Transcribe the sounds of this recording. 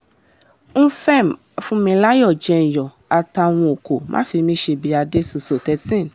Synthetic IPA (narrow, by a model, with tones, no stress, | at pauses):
ñ̩˦fɛ˦˨m˨fũ˧˦mĩ˧la˦jɔ˦˨d͡ʒɛ˧n̩˨jɔ˨ | a˨ta˧˨w̃ɔ̃˧o˨ko˨mʔã̰˦fi˧mĩ˦ʃe˧bi˧˦a˧de˦su˧so˨tɛ˧˦tĩ˦˨